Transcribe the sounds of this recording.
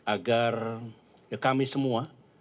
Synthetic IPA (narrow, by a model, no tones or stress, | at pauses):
aɡar | kamisəmua